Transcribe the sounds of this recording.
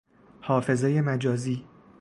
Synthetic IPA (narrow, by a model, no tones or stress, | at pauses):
hɒːfe̞zejemæd͡ʒɒːziː